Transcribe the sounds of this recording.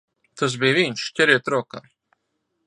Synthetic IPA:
t̪ʰas̬biːvinʃcʲɛɾiːt̪ɾɔːka̰ː

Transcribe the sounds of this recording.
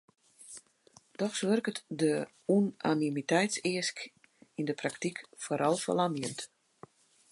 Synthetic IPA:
d̥ɔxsʋørkətdə | una̰nimitɛjtsɪəsk | indəpraktikfoːɾʔɔlˠfə̰lamjənt

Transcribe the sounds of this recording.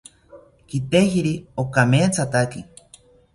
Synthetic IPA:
kit̪eɦiɾiokameːt͡sʰat̪aki

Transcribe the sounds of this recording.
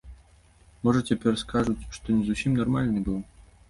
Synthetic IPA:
mɔʐɐt͡sʲapʲɛrskaʐut͡sʲʂt̪ɔnʲɛzusʲimnarmalʲnɨbɨw

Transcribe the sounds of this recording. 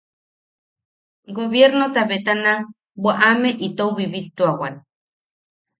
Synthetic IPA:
ɡoβjeɾnot̪aβet̪ana | bwaʔameʔit̪oβiβit̪ːuawan

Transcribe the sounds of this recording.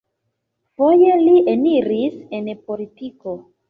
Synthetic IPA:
fo̞je̞liʔeniɾisenpo̞litiko̞

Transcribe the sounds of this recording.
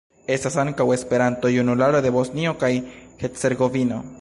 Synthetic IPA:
e̞st̪asaŋkawe̞spe̞ɾant̪o̞junulaɾod̪e̞bo̞snio̞kajhese̞ɾɡo̞vino̞̰

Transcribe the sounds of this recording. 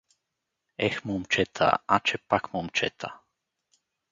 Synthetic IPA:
ɛxmumt͡ʃɛt̪ʰa̰at͡ʃɛpakmumt͡ʃɛ̰t̪ʰa

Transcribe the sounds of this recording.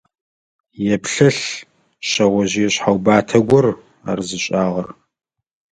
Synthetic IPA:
jɛpɬɨɬ | ɕɐʁʷɔʑiɛɕħawbaːtʰɐɡʷɔr | a̰ːrzɨɕʼaːʁɐr

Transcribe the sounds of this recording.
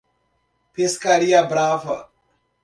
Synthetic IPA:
pʰiskaɾijabɾaːfɐ

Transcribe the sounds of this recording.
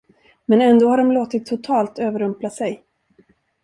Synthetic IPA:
mɛnɛnd̪oːhaɖɔmloːt̪ɪt̪ʰːʊt̪ʰɑːlt̪øːvəɾɵmplasɛj

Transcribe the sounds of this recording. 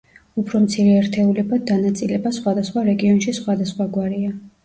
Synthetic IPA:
upʰɾɔmt̪sʰiɾɛɛɾt̪ʰɛulɛbad̪̚ːanat̪sʼilɛbasχwad̪asχwaɾɛɡiɔnʃisχwad̪asχwaɡwaɾia

